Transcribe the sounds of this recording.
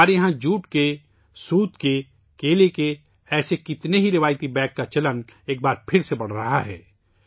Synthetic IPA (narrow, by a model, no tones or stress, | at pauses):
aːɾjɐɦãd͡ʒuːʈke | suːt̪ke | keːleke | ɛːsekɪt̪neɦiɾɪʋaːjt̪ibɛ̃ːkːat͡ʃɐləneːk̚baːɾpʰɪɾsebɐɽ̤ɾɐɦaɦɛ̰ː